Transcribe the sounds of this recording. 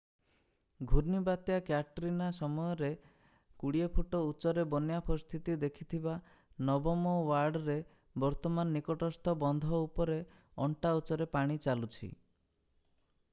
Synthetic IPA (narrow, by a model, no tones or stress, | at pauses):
ɡʱuɾnibat̪jakjaʈɾinasɔmɔjɔɾe | kuɽiepʰuʈɔut͡ʃɔɾebɔnjapɔɾist̪ʰit̪id̪ekʰit̪ʰiba | nɔbɔmɔwaɾɖɔɾe | bɔɾt̪ɔmanɔːikɔʈɔst̪ʰɔbɔnd̪ʱɔupɔɾe | ɔɳʈaut͡ʃɔɾepaɽ̃it͡ʃalut͡ʃʰḭ